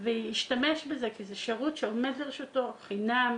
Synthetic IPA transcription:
vejiʃtameʃbezekizeʃeʁutʃeomed̪liʁʃutoχinam

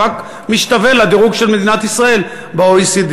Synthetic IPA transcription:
ak | miʃt̪ave̞lad̪iʁuɡʃe̞lme̞d̪inat̪isʁae̞l | beoisid̪

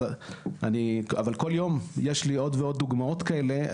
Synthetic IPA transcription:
ʔania̰valko̞ljo̞mjeʃlio̞d̪veo̞d̪̚ːuɡmao̞t̪kaele̞

